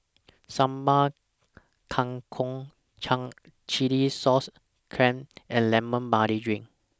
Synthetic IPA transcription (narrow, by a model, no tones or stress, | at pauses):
sãmba | kʰãŋkʰɔ̃ŋ | t͡ʃʰãŋ | t͡ʃilisɔs | kʰɹɛ̃mʔɛ̃nlɛ̃mə̃nbaɾidɹĩŋ